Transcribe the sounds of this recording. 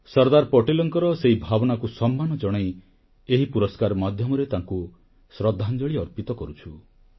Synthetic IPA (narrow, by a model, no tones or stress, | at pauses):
sɔɾd̪aɾpɔʈelɔŋkɔɾɔseɦibʱabɔnakusɔmːanɔd͡ʒɔɽ̃ej | eɦipuɾɔskaɾmad̪ʱjɔmɔɾet̪aŋku | sɾɔd̪ʱːand͡ʒɔɭiɔɾpit̪ɔkɔɾut͡ʃʰu